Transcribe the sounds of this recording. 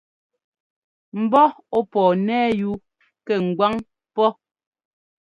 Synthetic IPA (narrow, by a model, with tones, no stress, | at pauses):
m̩˨bɔ˦ | ɔ˦pɔː˨nɛː˦ju˦ | kɛ˨ŋ̩˨ɡwa˦ŋ | pɔ˦